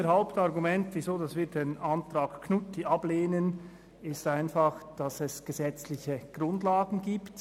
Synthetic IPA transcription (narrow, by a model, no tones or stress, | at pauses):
əhaʊptɑʁɡumɛntviːzoːdɑsviːdeːnɑntʁaːkkʰnʊtiʔɑbleːnən | ɪstaɪnfɑχd̥ɑsɛsɡ̥əzɛt͡slɪçəɡ̥ʁʊndlaːɡn̩ɡiːpt